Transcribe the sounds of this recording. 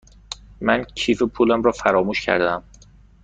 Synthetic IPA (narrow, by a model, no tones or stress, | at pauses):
mæncʰiːfepʰuːlæmɾɒːfæɾɒːmuːʃcʰæ̰ɾd̪æm